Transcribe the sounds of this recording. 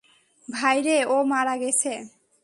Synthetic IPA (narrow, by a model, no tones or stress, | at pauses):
bʱajɾeomaɾaɡet͡ɕʰe